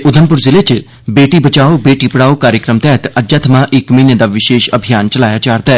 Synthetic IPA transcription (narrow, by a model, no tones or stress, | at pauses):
ʔʊd̪ʱəmpʊɾzɪlet͡ʃ | beːʈiːbət͡ʃaːoːbeːʈiːpəɽaːoːkaːɾjəkɾəmt̪ɛːɦət̪əd͡ʒat̪ʰmãːʔɪkməined̪aːʋɪʃeːʃəbʱijaːnt͡ʃəlaːjaːt͡ʃaːɾt̪ɛː